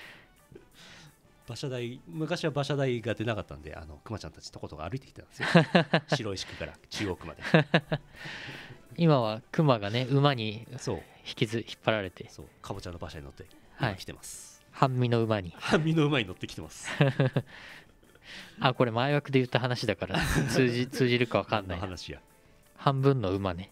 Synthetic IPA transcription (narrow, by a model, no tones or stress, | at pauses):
b̥aɕad̪aimɯ̟kaɕiβabaɕad̪aiɡad̪e̞nakat̪ːa̰nd̪e̞̰ʔa̰no̞̰kɯ̟mat͡ɕã̰nt̪ḁt͡ɕi̥t̪o̞ko̞t̪oɡa̰ːɾɯ̟it̪ekʲi̥t̪tãnd̥esjoɕiɾo̞iɕi̥kɯ̟̥kaɾa̰t͡ɕɨːo̞ːkɯ̟ma̰d̪e | imaβakɯ̟maɡane̞ɯ̟maɲ̟iso̞̰ː | çi̥kʲizɨçi̥pːaɾaɾe̞t̪e̞so̰ːkʰabot͡ɕãnːobaɕaɲino̞̰t̪ːe | haikʲi̥t̪e̞̰masɨ̥ | hãmːʲino̞ɯ̟maɲ̟ihãmʲːinoɯ̟maɲino̞t̪ːekʲi̥emasɨ̥ | ako̞ɾe̞maeβakɯ̟d̪e̞jɯ̟t̪ːaɦanaɕid̪akaɾat͡sɨːit͡sɨːʑiɾɯ̟kaβ̞akãnːaianaɕija̰ | hãmbɯ̟̃nːo̞ɯ̟mane̞